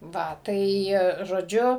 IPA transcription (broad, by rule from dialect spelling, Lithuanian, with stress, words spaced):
ˈʋɐ ˈtɐɪ ʒoːˈd͡ʒʲʊ